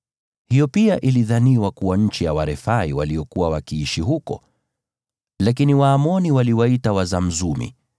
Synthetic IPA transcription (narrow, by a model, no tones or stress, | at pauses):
hijɔpiaʔiliðaniwakuwaɲ̩t͡ʃijawaɾɛfaiwaliɔkuwawakiiʃiɦukɔ̰ | lakiniwaːmɔniwaliwaitawazam̩zumḭ